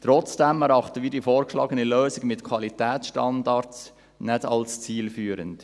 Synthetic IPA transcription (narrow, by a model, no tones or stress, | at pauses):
t̪ɾɔt͡sd̥ɛmɛɾɑχtəviːdifoːɾkʃlɑ̰ːɡəniløːsɪɡmɪtkʰwɑlitɛːt͡sʃtɑndɑɾts | nɛdɑlst͡siːlfyːɾənt